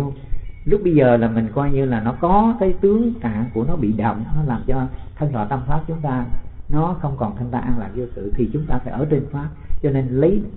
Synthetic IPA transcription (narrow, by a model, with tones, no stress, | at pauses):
wŋ͡mlʊ˦˥k͡p̚ɓə˧jzəː˨˩laː˨˩mï˨˩ŋ̟kwaː˧jɲɨ˧laː˨˩nɔ˨˦kɔ˨˦kaː˨˦jt̪ɨ˨˦əŋt̪a̰ː˧˨ŋku˧˩ənɔ˨˦ɓḭ˧˨ɗə˨˩wŋ͡m̚nɔ˨˦laː˨˩mt͡ɕɔ˧t̪ʰə˧ŋt̪wa̰ː˧˩t̪a˧mfʰaː˦˥p̚t͡ɕʊ˨˦ŋ͡mt̪aː˧nɔ˨˦xə˧wŋ͡mkɔ˨˩nt̪ʰə˧ŋt̪aː˧ʔa˧nlaː˧˨˩zu˧sɨ̰˧˨t̪ʰi˨˩t͡ɕʊ˨˦ŋ͡mt̪aː˧faː˧˩˦ʔəː˧˩t̪e˧˩ŋfaː˦˥p̚t͡ɕɔ˧ne˧nlə˨˦j